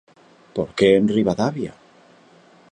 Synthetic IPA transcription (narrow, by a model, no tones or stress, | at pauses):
poɾkeːnriβaðaβja̰